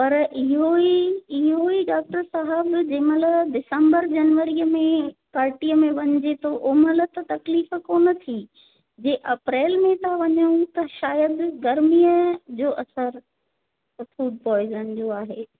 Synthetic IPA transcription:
pɐɾʔɪɦoiɪɦoiɖaːk̚ʈəɾsaɦəbd͡ʑẽːmələɖɪsə̃mbəɾd͡ʑɐnʋəɾijəmẽpaːɾʈiːəmẽʋɐɲd͡ʑet̪ʰoʔoːmələt̪ɐt̪ɐkliːfəkoːnət̪ʰi | d͡ʑeːʔɐpɾeːlmẽt̪ʰaʋɐɲəũt̪ɐʃaːjəd̪ɡɐɾmiːjəd͡ʑoːʔɐsəɾ | fuːɖ̚pɔːɪzənd͡ʑoːaːɦeː

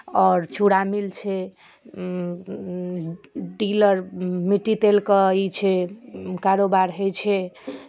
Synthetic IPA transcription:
ɔɾt͡ʃuɽamilt͡ʃʰɛ | ɖiləɾmiʈːit̪elkəit͡ʃʰɛkaɾobaɾɦejt͡ʃʰɛ

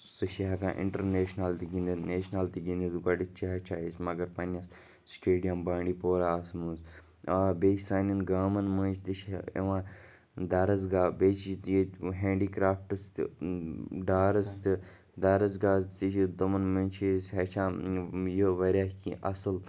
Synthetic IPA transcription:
sɨʃiɦɐkã̰ːʔɪ̰̃ɳʈɐɾneːʃnalt̪iɡʲind̪neːʃnalt̪iɡʲind̪id̪kɐɖit̚t͡ʃʰiɦɐt͡ʃʰaːismɐɡɐɾpɐnʲɐs | sʈeːɖijɐmbaːɳɖiːpoːɾaːɐsmuz | aːbeːt͡ʃsaːnʲinɡaːmɐnmə̃ːnt͡ʃʰt̪iʃḛʋãː | d̪ɐɾɐzɡaːbeːt͡ʃʰit̪eɦẽːɳɖiːkɾaːfʈɨst̪ | ɖaːɾɐst̪ɨ | d̪ɐɾɐzɡaːt̪iʃid̪omɐnmənʲt͡ʃʰisɦɐt͡ʃʰaːjoʋɐɾʲaːkiʔɐsɨl

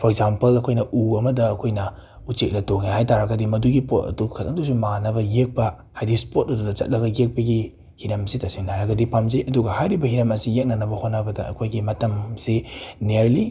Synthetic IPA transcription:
pʰoek̚zampɐlɐkʰojnɐʔuɐmɐdɐːkʰojnɐ | ut͡ʃek̚lɐtoŋihajtaɾɐɡɐdimɐduɡipotɐ̰dukʰɐtʰɐŋdusumanɐbɐjek̚pɐ | hajdispot̚ɐdudɐt͡ʃɐ̰t̚lɐɡɐjek̚pɐɡi | hiɾɐmsitasinaɾɐɡɐdipamzejʔɐduɡɐhajɾibɐhiɾɐmɐsijek̚nanɐbɐhonɐbɐdɐ̰ɐ̰kʰojɡimɐtɐmsineɾli

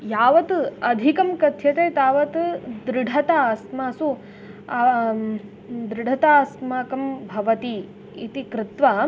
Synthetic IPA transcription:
jaːʋɐt̪ɐd̪ʱikɐmkɐt̪ʰjɐt̪ejt̪aːʋɐt̪d̪ɾɪɖʱɐt̪asmaːsu | d̪ɾɪɖʱɐt̪aːsmaːkɐmbʱɐʋɐt̪iː | t̪ikɾɪt̪ʋaː

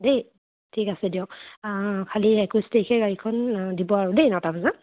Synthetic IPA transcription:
dej | tʰikasɛdiɔ̃ | kʰaliɛkustejkʰɛɡaɹikʰɔndibɔaɹɔdejnɔtabaza

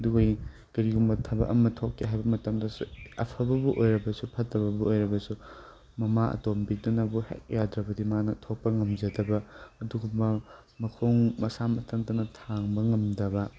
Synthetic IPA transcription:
ɐduɡoj | ɡɐɾiɡumbɐtʰɐbɐ̰ʔɐmːɐtʰokːiɦajbɐmɐtɐmdɐsṵɐpʰɐbɐbuʔojɾɐbɐsupʰɐtːɐβɐbuojɾɐbɐsu | mɐmaʔɐ̰tombidunɐbuhḛk̚jadɾɐbɐdimanɐtʰok̚pɐŋɐmd͡ʒɐdɐbɐːduɡubɐ | mɐkʰoŋmɐsamɐtʰɐŋdɐnɐtʰaŋbɐŋɐmdɐbɐ

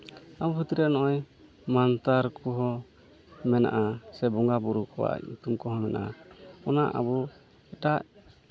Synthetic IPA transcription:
abuɦut̪iɾanɔʔɔj | mant̪aɾkuɦɔ | mɛna̰ʔasɛbɔŋɡabuɾukɔwa̰ɲut̪umkɔɦɔmɛnʔa̰ʔaɔnaʔa̰bu | ɛʈaʔ

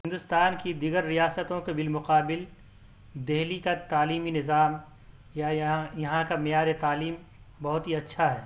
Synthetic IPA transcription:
ɦɪ̃nd̪ʊst̪aːnkid̪iːɡəɾːijaːsət̪õkebɪlmʊqaːbɪl | d̪eɦlikat̪aːliːminɪzaːm | jajɐɦãkamɪjaːɾet̪aːliːm | bɐɦʊt̪ɦiɐtːʃʰaɦɛː

